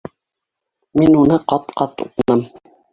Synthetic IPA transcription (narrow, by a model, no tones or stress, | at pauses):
minunɤqɑt̪qɑt̪ṵqɤnɤm